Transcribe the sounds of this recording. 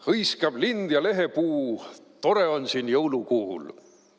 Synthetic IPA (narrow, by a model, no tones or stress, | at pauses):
hɤjskɑb̥lind̪̥jɑle̞ɦe̞puːt̪o̞ɾe̞o̞nsiːnjɤwlukuhṵl